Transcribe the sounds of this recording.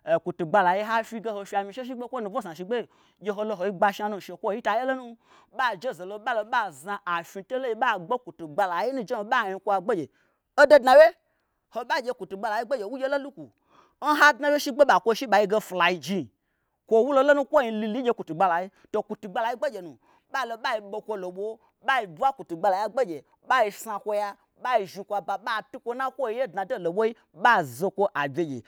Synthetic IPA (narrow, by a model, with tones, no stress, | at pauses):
e˨ku˨tu˨ɡ͡ba˧la˨ji˦ɦa˦fʲi˧˦ɡe˧ho˧fʲi˧a˧˨mĩ˧ʃe˦ʃ̬i˦ɡ͡be˦kʷo˦nu˧vo˦sã˨ʃi˧ɡ͡be˦˨ | d͡ʒʲe˦ɦo˧lo˧ɦo˨ji˦ɡ͡ba˧ʃi˦a˧nu˧˨ʃe˨kʷo˦˨ji˦ta˧je˦lo˦nu˦ | ɓa˦d͡ʒe˦˨ze˨lo˧˦ɓa˦lo˧˦ɓa˦za˧ʔa˨fi˧to˦lo˦i˧ɓa˦ɡ͡be˦ku˨tu˨ɡ͡ba˧la˨ji˦nũ˦˧d͡ʒe˦o˨ɓa˦˨ɲi˧kʷo˦a˧ɡ͡be˦d͡ʒe˨ | o˦do˦dna˧we˦ | ho˨ɓa˦d͡ʒʲe˧ku˨tu˨ɡ͡ba˧la˨ji˦ɡ͡be˦d͡ʒe˨wu˦d͡ʒʲe˦lo˦lu˦ku˨ | n̩˦ɦa˦dnã˨˦wje˦ʃi˦ɡ͡be˦ɓa˨kʷo˧ʃi˦ɓa˨ji˧ɡe˧fla˨ji˧d͡ʒi˧˨ | kʷo˦wu˦lo˦lo˦nũ˦kʷo˦i˧li˧li˦d͡ʒʲe˧ku˨tu˨ɡ͡ba˧la˨ji˦ | to˨ku˨tu˨ɡ͡ba˧la˨ji˦ɡ͡be˦d͡ʒe˨nũ˨ | ɓa˦˨lo˧ɓa˦ji˧ɓo˧kʷo˧lo˨ɓo˦ | ɓa˦i˧bu˦a˦ku˨tu˨ɡ͡ba˧la˨ja˦ɡ͡be˦d͡ʒe˨ | ɓa˦ji˧sa˧kʷo˧ja˧ | ɓa˦i˧ʒi˧kʷa˧ba˨ɓa˦˨tu˦kʷo˦nã˦kʷo˦i˧˦je˦dna˨do˦˨lo˨ɓʷo˦i˦ | ɓa˦˨zo˧kʷo˦ʔa˨bʲe˨˧d͡ʒḛ˨